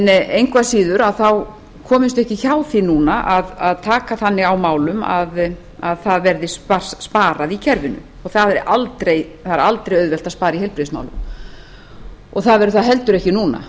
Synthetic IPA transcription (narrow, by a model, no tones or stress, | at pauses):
nejŋkʰvasiːðʏɾaðθaw | kʰɔːmɪst̪ʏɛhcɪçaːwθinuːnaʔaðaðt̪ʰaːkaθanːɪɣawmaːwlʏma̰ð | aðθaðvɛɾðɪspḁsspaːɾaðicʰɛɾvɪnʏ̰ | ɔɣθaðɛɾʔalt̪ɾejθaɛɾalt̪ɾejœðvɛl̥t̪aðspaːɾiɦɛlpɾiðɪsma̰wlʏ̰m | ɔɣθaðvɛɾʏθaðɦɛlt̪ʏɾɛhcɪnuːna̰